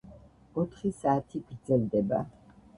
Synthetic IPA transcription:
ɔt̪ʰχisaːt̪ʰiɡɾd̪zɛlˠd̪ɛba̰

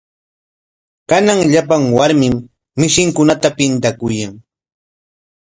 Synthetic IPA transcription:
kanaŋʎapaŋwaɾmɪmː | ɪʃɪŋkʊnat̪apɪnt̪akʊjaŋ

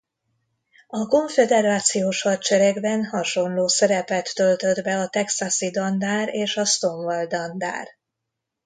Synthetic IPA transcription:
ɒko̞ɱfɛd̪ɛɾaːt̪sijoːʃhɒt͡ʃɛɾɛɡbɛnhɒʃo̞nloːsɛɾɛpɛt̪ːø̞lt̪ø̞d̪bɛɒt̪ɛksasid̪ɒnd̪aːɾeːʃɒst̪o̞ɱvɒld̪ɒnd̪a̰ːr

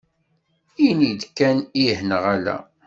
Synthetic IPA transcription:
inid̪kːænihnəʁælæ̰

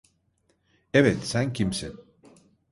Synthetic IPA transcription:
eβensæŋkimsen

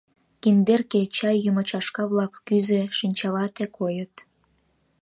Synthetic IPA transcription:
kind̪erket͡ɕɑjːəmət͡ɕɑʃkɑβlɑkːyzeʃinʲt͡ɕɑlɑt̪ekojət̪

